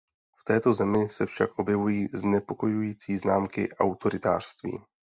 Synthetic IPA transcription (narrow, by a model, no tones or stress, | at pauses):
ft̪ɛːt̪o̞zɛmɪsɛfʃa̰kʔo̞bjɛvujiːznɛpo̞ko̞jujiːt͡siːznaːmkɪʔawt̪o̞ɾɪt̪aːr̝̥st̪vḭː